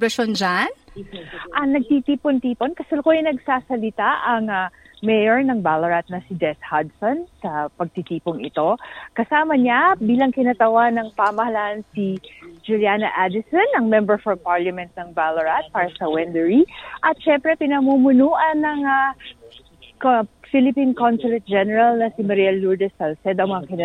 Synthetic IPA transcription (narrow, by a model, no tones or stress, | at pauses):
ɾɐʃond͡ʒan | ʔɐŋnɐɡ̚t̪it̪iːpont̪iːponkɐsɐlkoanɐɡsaːsɐlɪt̪aʔɐŋamɛjɛɹnɐŋbalɐɹat̪̚nɐsɪd͡ʒɛshad̪sonsɐpɐɡ̚t̪it̪iːpoŋɪt̪o̞kɐsaːmɐɲabiːlɐŋkɪnɐt̪ɐwanɐŋpamɐhɐlaʔɐnsid͡ʒʊljanɐʔad̪ɪsɔnɐŋmɛmbɛɹfɔlpaɹlɐmɛnt̪̚nɐŋbalɐɹat̪̚paːɾɐsɐwɛnd̪ɛɹiʔɐt̪̚ʃɛmpɾɛpɪnɐmumʊnuːʔɐnːɐŋa | kfilɪpinkonsʊlɛt̪̚d͡ʒɛnɛɹɐlnɐsimɐɾɛlːuɹd̪ɛsɐlsɛd̪ɐŋmɐŋakɪnɐ